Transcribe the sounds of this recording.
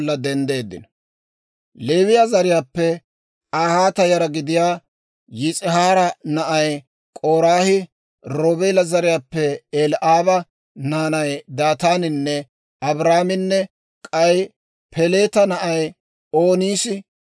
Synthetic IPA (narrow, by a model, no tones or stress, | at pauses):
lːɐd̪ɛnd̪e̞ːd̪ːɪ̰nɐ | le̞ːwɪjɐzɐɾɪjaːpːɛ | aːhaːt̪ɐjɐɾɐɡɪd̪ɪjaː | jɪt͡sʼɪɦaːɾɐnɐʔɐj | kʼoːɾaːhɪ | ɾoːbeːlɐzɐɾɪjaːpːɛelʔaːbɐ | naːnɐjd̪aːt̪aːnɪnːɛ | ɐbɾaːmɪnːɛ | kʼɐj | pʰɛle̞ːt̪ɐnɐʔɐj | oːniːsɪ